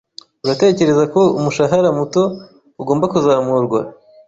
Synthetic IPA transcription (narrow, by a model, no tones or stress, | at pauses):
uɾate̞ːce̞ɾe̞zako̞umuʃaɦaɾamuto̞ | uɡo̞ːmbakuzaːmuɾɡwa̰